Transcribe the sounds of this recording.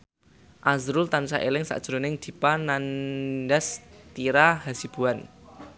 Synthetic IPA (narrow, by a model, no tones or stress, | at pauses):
ʔazɾʊlt̪ansaʔelɪŋsa̰ʔd̥ʒ̥ɾonɪŋd̪̥i̤pananɖast̪iɾaɦasib̥uan